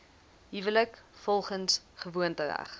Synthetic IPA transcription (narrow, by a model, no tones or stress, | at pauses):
ɦivələkfɔlˠχənsχəvuəntəvæ̰χ